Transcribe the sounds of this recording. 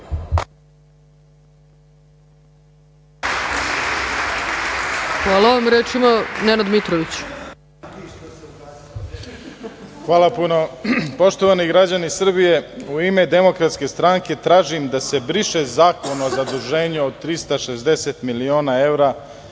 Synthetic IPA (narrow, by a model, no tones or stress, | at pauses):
xʋaːlˠaoʋamɾeːt͡ʃimanenad̪mit̪ɾoʋit͡ɕ | xʋaːlˠapuno̞po̞ʃt̪oʋaniɡɾad͡ʑanisr̩bije̞uime̞d̪e̞mokɾat̪ske̞st̪ɾaŋke̞t̪ɾaːʒimd̪ase̞bɾiʃezaːko̞nozad̪uʒe̞ːɲeod̪̚t̪ːɾist̪aʃe̞zd̪eset̪milio̞ːnae̞vɾa